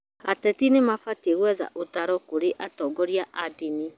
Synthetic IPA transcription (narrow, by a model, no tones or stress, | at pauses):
atɛtinemafateɣwɛða̰ʔotaɾɔkoɾeʔatɔːɡɔɾjaʔadini